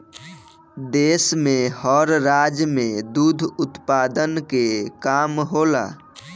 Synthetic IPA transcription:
d̪eːsmẽhɔɾɾaːd͡ʒmẽd̪ud̪ʱʊt̪paːd̪ənkekaːmɦoːla̰ː

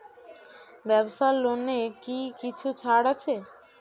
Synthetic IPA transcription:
bɛboʃaɾlonːekikit͡ɕʰut͡ɕʰaɽat͡ɕʰe

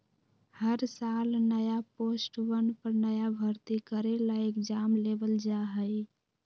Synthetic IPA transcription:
həɾsaːlnəjapoːsʈwənpəɾnəjabʱəɾt̪ikəɾelaekd͡ʒamleːbəld͡ʒaɦəj

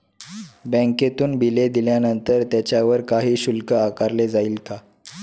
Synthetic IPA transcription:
bə̃ŋket̪uːnbʱiled̪iljanənt̪əɾt̪jat͡ɕjaʋəɾkaɦiːɕulkəakaɾled͡zaiːlt̪ʰa

